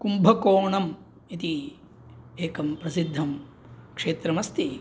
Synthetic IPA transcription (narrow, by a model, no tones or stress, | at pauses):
kumbʱɐkoːɳɐm | it̪i | eːkɐmpɾɐsid̪ʱːɐm | kʂeːt̪ɾɐmɐst̪i